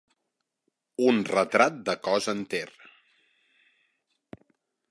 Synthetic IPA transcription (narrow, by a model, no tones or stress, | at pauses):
unrət̪ɾat̪̚d̪əkɔzənt̪er